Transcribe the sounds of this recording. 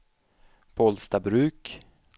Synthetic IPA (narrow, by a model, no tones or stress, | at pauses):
b̥ʰɔlst̪abɾʉ̟ːk